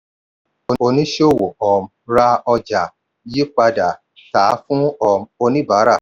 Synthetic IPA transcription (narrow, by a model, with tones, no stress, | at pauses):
o˨o˧nĩ˦ʃo˦˨wo˨ɔ˨m̩˨ɾa˧ɔ˧d͡ʒa˨ | ji˦k͡pa˧da˨ | ta˨˦fũ˦ɔ˨m̩˦o˧nĩ˦ba˨˦ɾa˦˨